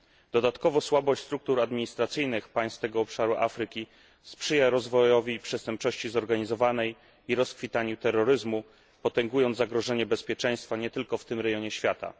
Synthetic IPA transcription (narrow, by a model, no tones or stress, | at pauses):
d̪̥ɔd̪at̪kɔvɔswabɔɕt͡ɕʲst̪ɾuk̚t̪uɾad̪mʲiɲist̪ɾat̪sɘjnɘxpaj̃st̪t̪ɛɡɔːpʂaɾuʔa̰fɾɘkʲi | spʂɘjaɾɔzvɔjɔvʲipʂɛst̪ɛmp̚t͡ʂɔɕt͡ɕizɔɾɡaɲizɔvanɛj | iɾɔskfʲit̪aɲut̪ɛrːɔɾɘzmu | pɔt̪ɛŋɡujɔnd̪zaɡɾɔʐɛɲɛbɛspʲjɛt͡ʂɛj̃st̪faɲɛt̪ɘlkɔft̪ɘmɾɛjɔɲɛɕfʲjat̪a̰